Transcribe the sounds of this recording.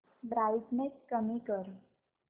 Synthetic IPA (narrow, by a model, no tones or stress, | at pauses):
bɾajsnet͡skəmikəɾ